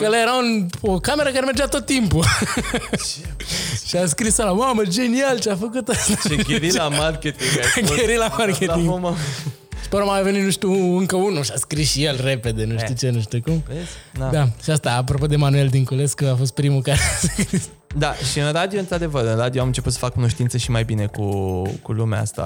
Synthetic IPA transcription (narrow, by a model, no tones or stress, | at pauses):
klajeɾaunokame̞ɾəkaɾemerd͡ʒeat̪o̞t̪ːimpu | ʃiaskɾisalamaməd͡ʒe̞nialt͡ʃeafəkut̪ast̪aekʲeɾilamarkʲet̪iŋɡakeɾilamarkʲetiŋɡma | ʃi̥pəɾaamave̞nit̪nuʃt̪ʲuɨŋkəunuʃiaskɾisʃijelre̞pe̞d̪e̞nuʃt̪jut͡ʃe̞nuʃt̪ukumd̪ad̪aʃiast̪aːp̬ɾopo̞d̪e̞manue̞ld̪iŋkuleskuafo̞st̪̚pɾimukaaskɾis | d̪aʃiɨnrad̪ioɨnt̪ɾad̪e̞vəɾɨnrad̪ioamɨnt͡ʃe̞put̪sə̥fakːuno̞ʃt̪int̪səʃimajbine̞kukulumḛa̰st̪a̰